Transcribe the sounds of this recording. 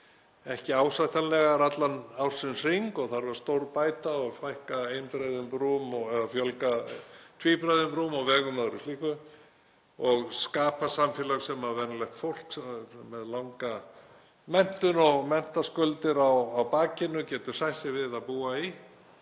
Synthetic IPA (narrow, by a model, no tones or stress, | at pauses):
ɛhcɪaːwsajht̪anlɛɣaɾat̪lanawɾ̥sɪnsiŋkɔɣθaɾvaɾ̥st̪owɾpaːjt̪aɔɣfajhkaejnpɾajðʏmpɾuːmɔɣɛðafjœlkat̪ʰviːpɾajðʏmpɾumɔɣvɛːɣʏmaðɾʏsliːhkʏ | ɔɣskaːpasamfjɛlaɣsɛmavɛnlɛht̪fowl̥ksɛːɛðlawŋka | mɛn̥t̪ʏnɔɣmɛn̥t̪askœlt̪ɪɾawawpaːcɪnʏcɛːt̪ʏ̥sajsɪvɪðaðpuːai